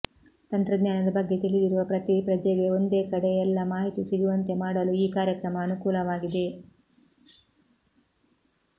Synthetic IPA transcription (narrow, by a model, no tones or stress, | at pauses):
t̪ɐnt̪ɾɐd̪ɲjaːnɐd̪ɐbɐɡːe̞t̪iɭid̪iɾuʋɐpɾɐt̪ipɾɐd͡ʒɐɡe̞o̞nd̪e̞ːkɐɽɛjɛlːɐmaːɦit̪isiɡuʋɐnt̪e̞maːɽɐluiːkaːɾjɐkɾɐmɐːnukuːlɐʋaːɡid̪e̞